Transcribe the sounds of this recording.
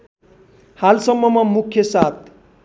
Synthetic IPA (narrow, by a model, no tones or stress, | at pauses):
halsʌmːʌmʌmukʰjʌsat̪̚